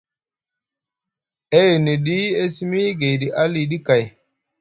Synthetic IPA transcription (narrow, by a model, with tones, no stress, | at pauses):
e˦ju˨ni˨ɗi˦e˦si˦mi˦ɡe˨jɗi˨ʔa˦li˨ɗi˦ka˨j